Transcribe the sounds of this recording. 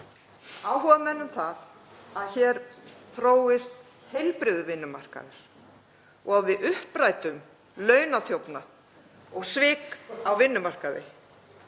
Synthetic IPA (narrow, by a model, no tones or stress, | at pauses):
aːwɦɔvamɛnːʏmθað | aðçɛːɾθɾoːwɪst̪ | hejlpɾɪðʏvɪnːʏmar̥ka̰ðɪɾ̥ | ɔɣaðvɪðʏhpɾaːjt̪ʏm | lœːɥnaθjowpna | ɔɣsvɪːkawvɪnːʏmar̥kaðɪ̰